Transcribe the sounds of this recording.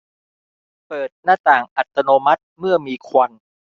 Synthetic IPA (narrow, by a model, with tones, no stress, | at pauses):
pɤː˨˩t̪̚naː˥˩t̪aː˨˩ŋʔa˨˩t̪ːa˧noː˧ma˦˥t̪̚mɯ˥˩ɐmiː˧kʰwa˧n